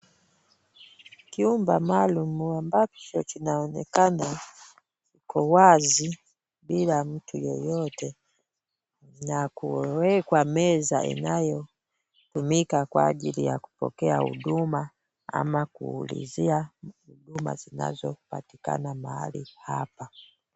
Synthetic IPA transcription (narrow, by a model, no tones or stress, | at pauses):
kiumbamalumuambat͡ʃɔt͡ʃinaɔnɛkana | t͡ʃikʰɔwazi | bilam̩tʰujɔjɔtɛ | nakuwɛkwamɛzaʔḭnajɔ | tumikakwaːʄilijaku̥pɔ̰kɛahṵɗuma | a̰makuːlḭziahuɗuma̰zina̰zɔpati̥ka̰namaha̰lihapa